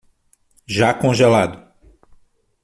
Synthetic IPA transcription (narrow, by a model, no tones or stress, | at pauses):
ʒakõʒelad̪ʊ